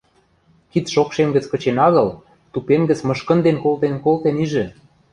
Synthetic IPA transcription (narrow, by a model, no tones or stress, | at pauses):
kit̪ʃokʃemɡə̆t͡skɤ̆t͡ɕenɑɣɤ̆l | t̪upemɡə̆t͡smɤ̆ʃkə̆nd̪enkolt̪enkolt̪eniʒĕ